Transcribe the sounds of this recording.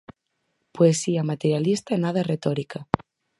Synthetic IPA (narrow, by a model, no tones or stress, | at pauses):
poesiamat̪eɾjalist̪aenaðaret̪oɾika